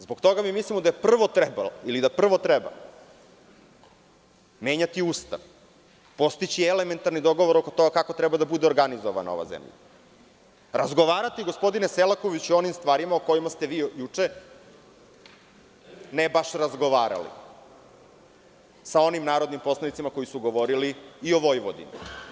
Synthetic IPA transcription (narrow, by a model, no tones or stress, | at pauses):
zboɡt̪o̞ɡamimislimod̪ajepr̩ʋo̞t̪ɾɛbalilid̪apr̩ʋot̪ɾɛba̰ | meːɲat̪iuːst̪a̰ʋ | po̞st̪it͡ɕieleme̞nt̪aɾnid̪o̞ɡo̞ʋo̞ɾokot̪o̞ɡakako̞t̪ɾɛbad̪abud̪eo̞ɾɡanizoʋa̰na̰o̰ʋa̰zḛmʎa̰ | ɾazɡo̞ʋaːɾat̪iɡo̞spo̞d̪ine̞selˠakoʋit͡ɕuo̞nimst̪ʋaːɾimaoko̞jimast̪eʋiːjut͡ʂe | nebaʃɾazɡo̞ʋaːɾa̰lḭ | sao̞nimnaːɾo̞d̪nimpo̞slanit̪simako̞jisuɡo̞ʋo̞ɾiliio̞ʋo̞jʋod̪ḭma̰